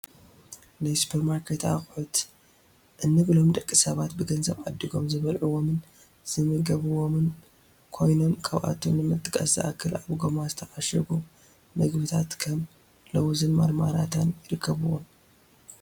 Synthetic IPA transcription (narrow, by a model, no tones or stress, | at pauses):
najsu̥pʰeɾmaɾkʰet̪axʼħut̪ | ʔɨnːɨɡlo̞md̪ʼɐkʼːisɐβat̪bɨɡɐnzɐβʔad̪ːiɡo̞mzɨβɐlʕuwo̞mɨn | z̥ɨmɨɡɐβɨwo̞mɨn | kʰo̞jno̞mkʰʼɐβʔa̰t̪ʰomnɨmɨt̪ʼːɨkʼɐ̰sɨ̰ʔakʰːɨlaβɡomazɨt̪ʰɐʔaʃɐɡu | mɐɡbɨt̪ʰat̪kʰɐm | lɐwzɨnmaɾmaɾat̪ʰanjɪɾɨkʰːɐβɨwo̰m